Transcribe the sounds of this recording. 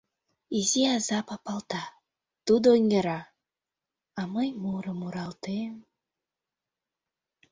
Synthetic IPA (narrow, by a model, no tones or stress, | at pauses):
iziɑzɑpɑpɑlˠt̪ɑ | t̪ud̪ooneɾɑ | ɑməjmuɾəmuɾɑlˠt̪em